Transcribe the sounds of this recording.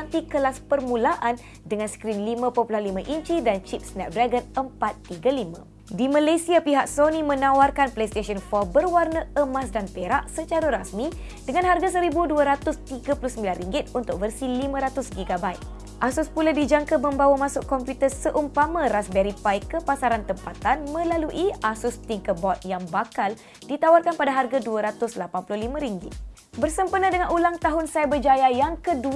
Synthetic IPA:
ant̪ikəlaspərmũlaʔan | dəŋãnskɾinlimãpɔpulahlimãʔiɲt͡ʃidant͡ʃip̚snɛp̚dɾaɡənəmpat̪ːiɡalimã | dimãlajsiapiɦaʔ̚sonimə̃nãwarkanplejst̪eʃɔnfɔbərwarnə̃əmas̬danpeɾaʔsət͡ʃaɾaɾasmid̥əŋãnɦarɡas̬əɾibuduaɾat̪ʊst̪iɡapuluhsəmbilanriŋɡɪt̪̚unt̪ʊk̚vərsilimə̃ɾat̪ʊsɡiɡabajt̪̚ | ʔasʊspuladid͡ʒaŋkamə̃mbawamãsʊʔkɔmpjut̪ərsəʔumpamãɾasbɛɾipajkəpasaɾant̪əmpat̪anmə̃laluʔiasʊst̪iŋkəbɔt̪̚jaŋbakal | dit̪awarkanpadaɦarɡaduaɾat̪ʊslapanpulʊhlimãɾiŋɡɪ̰t̪̚ | bərsəmpənãdəŋanulaŋt̪aɦʊnsajbəd͡ʒajajaŋkədu

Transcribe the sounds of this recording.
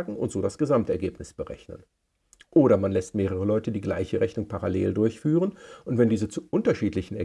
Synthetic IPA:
ɡŋ̩ʊ̰ntz̥oːdasɡ̥əzamtɛɐɡeːpnɪsb̥əʁɛ̰çnə̰n | ʔoːɾɐmanlɛst̚meːʁəʁəlɔʏtədiːɡlaɪçəʁɛçnʊŋpʰaʁaleːldʊɐçfyːʁənʔʊntv̥ɛndiːzət͡suʔʊntɐʃiːtlɪçn̩ɛɐ

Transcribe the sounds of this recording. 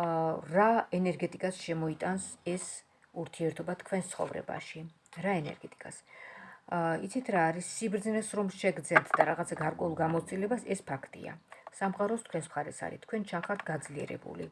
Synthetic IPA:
ɾaɛnɛɾɡɛt̪ʼikʼasʃɛmɔit̪ʼansɛs | uɾt̪ʰiɛɾt̪ʰɔbat̪ʰkʰwɛnst̪sʰχɔ̰vɾɛ̰ba̰ʃi | ɾaɛnɛ̰ɾɡɛt̪ʼi̥kʼas | ḭt̪sʰit̪ʰɾaːɾisːibɾd̪znɛsɾɔmʃɛɡɾd̪zɛnt̪ʰd̪aɾaʁat̪sʰaɡaɾkʼɛulˠɡamɔt̪st̪ʼilɛbasɛspʰakʰt̪ʼḭa̰samχʼaɾɔst̪ʰkʰwɛnsmχaɾɛsa̰ɾḭt̪ʰkʰwɛnt͡ʃʰanχaɾt̪ʰɡad̪zliɛ̰ɾɛ̰bṵlḭ

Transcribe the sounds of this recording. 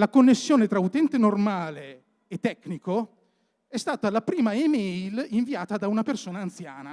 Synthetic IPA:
lakonːesːjoːnet̪ɾaut̪ɛnt̪enormaːleː | t̪ːɛkːniko | ɛst̪aːt̪aːlːapɾiːmaemɛjliɱviaːt̪ad̪aunapersoːnaːnt̪sjaːna

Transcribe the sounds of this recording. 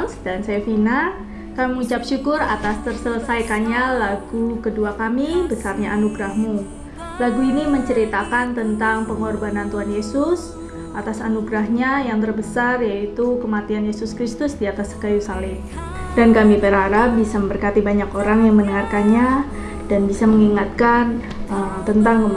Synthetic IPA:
ŋsdansajafina | kamiməŋut͡ʃapʃukʊra̰t̪ast̪ərsələsajkanɲalaɡukəduakamibəsarɲaʔanuɡɾahmu | laɡuiniməɲt͡ʃəɾit̪akant̪ənt̪aŋpəŋɔrbanant̪uɦanjesʊs | ʔat̪asanuɡɾahɲajaŋt̪ərbəsarjait̪ukəmat̪ianjesʊskɾist̪ʊsdiat̪asə̥kajusalɪm | dankamipəɾaɾap̚bisaməmbərkat̪ibaɲakoɾaŋjaŋmənəŋarkanɲa | danbisaməŋiŋat̪̚kan | əmt̪ənt̪aŋə

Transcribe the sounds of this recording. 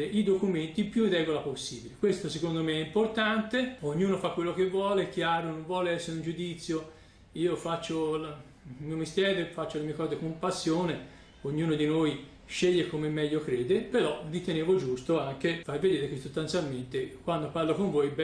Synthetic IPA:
eʔid̪okument̪ipjurːɛːɡolaposːiːbilekwest̪osekond̪omeɛimport̪ant̪eoɲːuːnofakːwelːokevːwɔːleɛkːjaːɾonõɱvwɔːleɛsːeɾund͡ʒud̪it̪sːjo | iːofat͡ʃːol | lmiːomist̪jɛːɾefat͡ʃːolemiːekɔːzekompasːjoːne | oɲːuːnod̪inoj | ʃeʎːekomemːɛʎːokɾeːd̪epeɾɔvit̪eneːvod͡ʒust̪oaŋkefarved̪eːɾekesːost̪ant̪sjalment̪ekwand̪oparlokoɱvojbɛ

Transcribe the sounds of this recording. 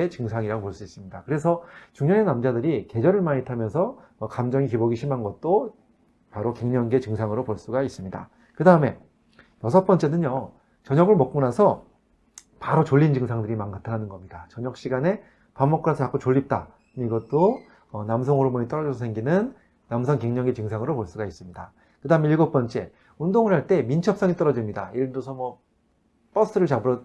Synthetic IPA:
et͡ɕɯŋsʰaŋiɾaɡopoɭs͈uis͈ɯmɲidakɯɾe̞s̬ʰʌt͡ɕuŋɲʌne̞namd͡ʑadɯɾike̞d͡ʑʌɾɯɭmaɲitʰamjʌnsʰʌː | kamd͡ʑʌŋikiboɡiɕʰimanɡʌt̚t͈o | paɾoke̞ŋɲʌŋɡe̞t͡ɕɯŋsʰaŋɯɾopoɭs͈uɡais͈ɯmɲida̰ | kɯdaɯme̞ | jʌsʰʌp͈ʌnt͡ɕ͈e̞nɯnjo | t͡ɕʌɲʌɡɯɭmʌk̚k͈unasʰʌ | paɾot͡ɕoɭːind͡ʑɯŋsʰaŋdɯɾimankatʰanɦanɯnɡʌmɲidat͡ɕʌɲʌkɕ͈iɡane̞ | pamːʌk͈onasʰʌkakot͡ɕoʎːip̚t͈a̰ | iɡʌt͈oː | namsʰʌŋoɾomoɲit͈ʌɾʌd͡ʑʌsʰʌsʰeŋɡinɯnː | amsʰʌŋkeŋɲʌŋɡet͡ɕɯŋsʰaŋɯɾopoɭs͈uɡais͈ɯmɲida | kɯdaɯmeiɭɡop͈ʌnt͡ɕ͈e̞ | undoŋɯɭhaɭt͈e̞mint͡ɕʰʌp̚s͈ʌŋit͈ʌɾʌd͡ʑimɲidaiɯɭdosʰʌmwʌ | p͈ʌs͈ʰɯɾɯɭt͡ɕabɯɾʌ

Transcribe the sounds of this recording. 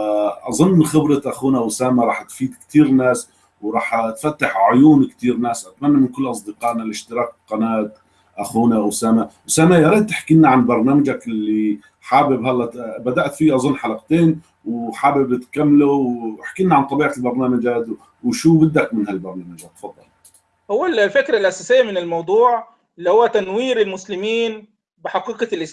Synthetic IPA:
ʔɑzˤʊnːxɪbɾɑʔaxuːnawsaːmaɾˤɑːħt̪fiːd̪kt̪iːɾnaːs | wɾˤɑːħt̪fat̪ːaħʕʊjuːnkt̪iːɾnaːsʔat̪manːamɪnkʊlːʔɑsˤd̪ɪqɑːʔnalʔɪʃt̪ɪɾɑːk̚qɑnaːt̪̚ | ʔaxuːnaʔwsaːmawsaːmajɑɾˤeːd̪̚t̪ɪħkiːnaʕanbɑɾˤnaːmad͡ʒakʔɪlːi | ħaːbɪbɦalːabad̪aʔt̪fiːʔɑzˤʊnːħalaqt̪eːn | wħaːbɪbt̪kamːluɪħkiːnaʕant̪ˤɑbiːʕalbɑɾˤnaːmad͡ʒaːd̪u | wʃuːbɪd̪ːakmɪnhalbɑɾˤnaːmad͡ʒat̪ːfɑd̪ˤːɑ̰l | hʊwːallfɪkɾalʔasaːsɪjːamɪnɪlmɑwd̪ˤuːʕ | ɪlːihʊwːæt̪anwiːɾɪlmʊslɪmiːn | bɪħɑqiːqɑlʔɪs

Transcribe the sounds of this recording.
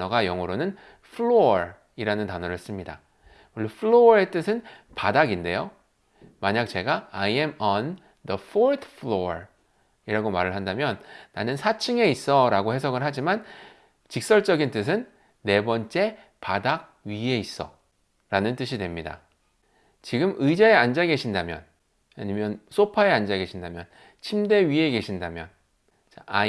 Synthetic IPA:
nʌɡajʌŋɯɾonɯn | fʰɭoɾ | iɾanɯntanʌɾɯɭs͈ɯmɲida̰ | wʌɭːʌpʰɯɭoʌɾe̞t͈ɯsʰɯnpadaɡinde̞jo | maɲak̚t͡ɕe̞ɡaajemʌn | dʌfʰoɾt̪ʰfʰɭoɾ | iɾaɡomaɾɯɭɦandamjʌnːanɯnsʰat͡ɕʰɯŋe̞is͈ʌɾaɡohe̞s̬ʰʌɡɯɭɦad͡ʑiman | t͡ɕik̚s͈ʌɭt͡ɕ͈ʌɡint͈ɯs̬ʰɯnː | e̞bʌnt͡ɕ͈e̞ | padak̚ | ɥie̞is͈ʌ̰ | ɾanɯnt͈ɯɕ̬ʰidwe̞mɲida̰ | t͡ɕiɡɯmɯjd͡ʑaeand͡ʑaɡe̞ɕʰindamjʌ̰n | aɲimjʌns͈opʰae̞and͡ʑaɡe̞ɕʰindamjʌ̰n | t͡ɕʰimde̞ɥie̞ke̞ɕʰindamjʌ̰n | t͡ɕaa

